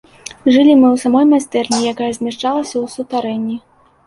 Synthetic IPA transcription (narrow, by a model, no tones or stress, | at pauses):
ʐɨlʲimɨwsamɔjmasʲt̪ɛrnʲijakajɛɐzʲmʲaʂt͡ʂalˠɐsʲɐwsut̪aɾɛnʲːi